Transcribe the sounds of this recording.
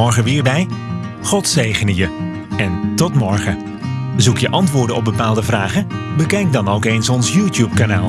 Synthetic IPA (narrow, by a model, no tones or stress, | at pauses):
ɔɹχəʋɪːɹbɛj | χɔtseːɣənəjə | ɛntɔtmɔɹχə | əzukjəʔɑntʋʊːɹdəɔb̚bəpaːlˠdəvraːɣəbəkɛjk̚dɑnowkensɔnsjuːtjup̚kana̰ːlˠ